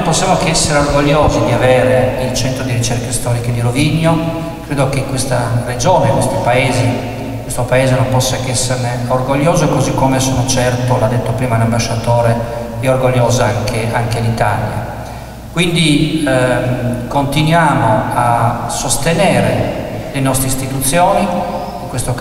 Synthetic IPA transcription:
posːjaːmokɛsːeɾeorɡoʎːoːzid̪iaveːɾeilt͡ʃɛnt̪ɾod̪iɾit͡ʃɛrkast̪ɔːɾiked̪iɾoviɲːo | kɾeːd̪okekːwest̪ared͡ʒoːnekwest̪ipaeːzi | kwest̪opaeːzenompɔsːakɛsːerneorɡoʎːoːzoekozikːomesonot͡ʃɛrt̪olad̪ːet̪ːopɾiːmanambaʃːat̪oːɾe | piorɡoʎːoːzaaŋkʰeaŋkelit̪a̰lja̰ | kwind̪i | kont̪inwjaːmoasːost̪enɛːɾelenɔst̪ɾeist̪it̪ut̪sːjoːni | iŋkwest̪o

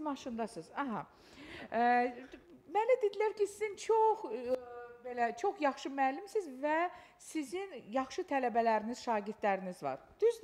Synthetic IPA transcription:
mɑʃɯnd̪ɑsɯzɑɦɑ | mælid̪ed̪ilæɾcʰisizint͡ʃʰox | belæt͡ʃʰo̞xjɑχʃɯmæːlimsizvæ | sizinjɑχʃɯt̪ʰælæbælæɾiniz̥ʃɑːɟiɾd̪læɾinizvɑ̰ɾd̪̥yz

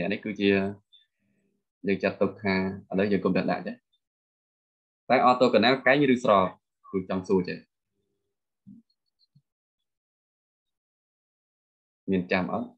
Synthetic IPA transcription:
nɛ̆əʔnihkɨːt͡ɕiə | jəːŋt͡ɕat̪ːʊk̚t̪ʰaːʔələwjəːŋkomnɛɗa̰ʔt͡ɕe | t̪aɛʔɑːt̪ːoːkanaːlkaɛŋrɨːsrɑːp̚ | kɨːt͡ɕɑŋsuət͡ɕeː | miənt͡ɕamʔa̰ɔt̪̚

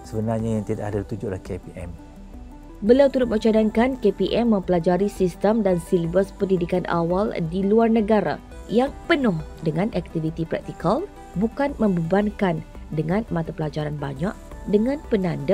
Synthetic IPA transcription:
səbənarɲajaŋt̪idaʔadalit̪ud͡ʒʊʔlahkepiʔɛ̰m | bəliawt̪uɾʊt̪̚mət͡ʃadankankepiʔɛmːə̃mpəlad͡ʒaɾisist̪əmdansilbəspəndidikanʔa̰waldiluarnə̃ɡaɾa̰ | jaŋpənʊhdəŋãnʔɛk̚t̪ivit̪ipɾɛ̰k̚t̪ikal | bukanmə̃mbəbaŋkandəŋãnmat̪apəlad͡ʒaɾanbaɲaʔdəŋãnpənãndə

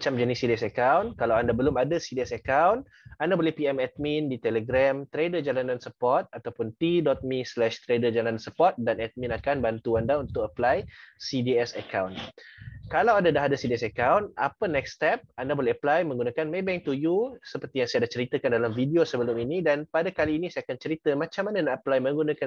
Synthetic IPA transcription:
mat͡ʃamd͡ʒanisidiɛsəkawnkalawandabəlʊmadasidiɛsəkawn | andabolɛhpiɛmɛt̪̚mindit̪eləɡɾamt̪ɾedəd͡ʒalanansəpɔrt̪̚at̪awpʊnt̪idɔt̪̚mislɛʃt̪ɾedəd͡ʒalannsəpɔrt̪̚danɛt̪̚mĩnakanbant̪uandaunt̪ʊk̚əplajsidiɛsəkawn | kalawadadaɦadəsidiɛsəkawna̰pənɛkst̪ɛp̚andabolɛhəplajmə̃ŋɡunakanmebɛŋt̪ujusəpərt̪ijaŋsajadat͡ʃəɾit̪akandalamvidiosəbəlʊminidanpadakaliːnisajakant͡ʃəɾit̪əmãt͡ʃamːananaʔəplajmə̃ŋɡunaka

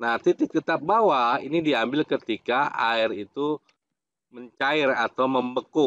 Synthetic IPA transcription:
nat̪it̪it̪ət̪ap̚bawaḭnidiambɪlkət̪ikaa̰ɪrit̪u | məɲt͡ʃaɪrat̪awməmbəkʊ

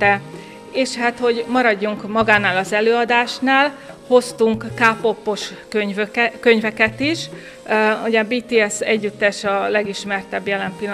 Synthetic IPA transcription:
ɛ | eːʃhaːt̪ho̞ɟmɒɾɒɟːuŋkmɒɡaːnaːlɒzɛløːɒd̪aːʃnaːlho̞st̪uŋkːaːpo̞pːo̞ʃkøɲvøkøɲvɛkɛt̪iʃ | uɟɛbiːt̪iːɛsɛ̰ɟːyt̪ːɛʃɒlɛɡiʃmɛrt̪ɛbjɛlɛmpilː

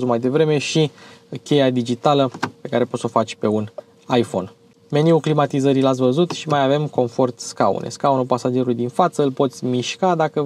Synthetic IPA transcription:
zumajd̪e̞vɾe̞me̞ʃikʲe̞jad̪id͡ʒit̪aləpe̞kaɾe̞pot̪so̞fat͡ʃʲpe̞un | ajfo̞̰n | me̞niuklimat̪izəɾilat̪s̬ʲvəzut̪ʃimajave̞mko̞nfo̞rt̪skaṵnʔḛskaunupasad͡ʒe̞ɾulujd̪infat̪səɨlpo̞t̪sʲmiʃkad̪akə

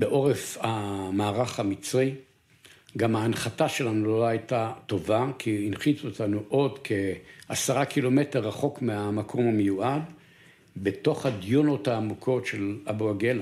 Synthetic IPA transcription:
beʔo̞ʁefhamaːʁaχamit͡sʁi | ɡamhaːnχataʃe̞lanuloaajtato̞vakʰiːnχit͡suotanuʔo̞dkʰe̞asaʁakʰilo̞me̞teʁːaχo̞kmeamakʰo̞mamejuʔad | be̞to̞χhad̪jono̞thaːmukʰo̞tʃe̞laboaɡe̞la

